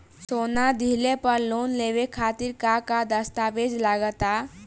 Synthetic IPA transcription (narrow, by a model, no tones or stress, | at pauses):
soːnad̪ʱilepəɾloːnleʋekʰaːt̪iɾkakad̪əst̪aʋed͡ʒlaɡət̪a